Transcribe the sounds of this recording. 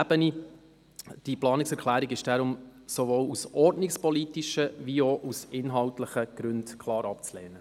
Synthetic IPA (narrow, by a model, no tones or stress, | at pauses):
b̥əni | d̥iplɑːnɪksɛɾkʰlæːɾiɡɪʃd̥aɾʊmsovoːwusʔɔɾdnɪkspɔlitiʃəviɔʔusɪnɦɑltləχəɡ̥ɾʉndkʰlɑːɾɑpt͡slɛːnə